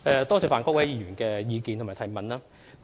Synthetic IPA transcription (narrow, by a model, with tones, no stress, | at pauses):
ɛ˨˧t̪ɔː˥t͡sɛː˧˩faː˨nkɔː˥k̚wɐ˨˦jjiː˨˧jyː˨˩nkɛː˧jiː˨˧ki˨˧nt̪ʰmːaː˨˩t̪ʰɐ˨˩jmɐ˨nlaː˥